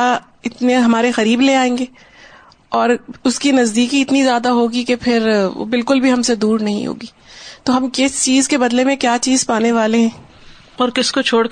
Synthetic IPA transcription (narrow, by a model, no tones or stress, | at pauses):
a | ɪt̪neɦɐmaːɾexɐɾiːbleaːẽːŋɡeː | ɔːɾʊskinɐzd̪iːkiɪt̪nizjaːd̪aɦoːɡikepʰɪɾ̰bɪlkʊlbʱiɦɐmsed̪uːɾnɐɦḭ̃ɦo̰ːɡiːt̪oːɦɐmkɪst͡ʃiːzkebɐd̪lemẽkjaːt͡ʃiːzpaːneʋaːleɦɛ̃ː | ɔːɾkɪskot͡ʃʰoːɽ